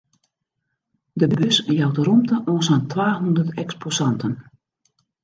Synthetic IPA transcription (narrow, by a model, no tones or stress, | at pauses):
dəbbøsjawtərumtəʔɔsantʰʋaːɦundətɛksposɑntən